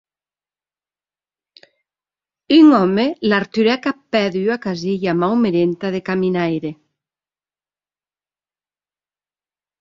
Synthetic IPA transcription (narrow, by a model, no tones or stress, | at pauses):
yŋɔmelaɾt̪yɾɛkapɛðyakaziʎamawmeɾent̪aðekaminajɾe